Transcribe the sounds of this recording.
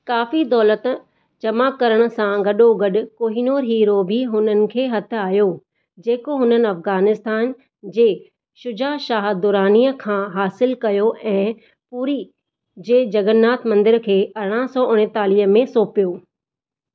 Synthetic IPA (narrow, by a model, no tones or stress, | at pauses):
kaːfid̪ɔːlət̪ | d͡ʑɐmakɐɾəɽ̃ʊ̆sãɡɐɗoɡɐɗʊ̆koːɦinoːɾɦiːɾobʱiɦʊnənɪ̆kʰeːɦɐt̪ʰʊ̆aːjo | d͡ʑeːkoɦʊnənɪ̆ɐfɣaːnɪst̪aːn | d͡ʑeː | ʃʊd͡ʑaːʃaːɦd̪ʊɾaːniːəkʰãːɦaːsɪlkɐjoʔɛ̃ː | puːɾi | d͡ʑeːd͡ʑɐɡənːaːt̪mɐ̃nd̪ɪɾkʰeːɐɾɽ̃əsɔːʔʊɽ̃et̪aːliːɦəmẽsoːpijoː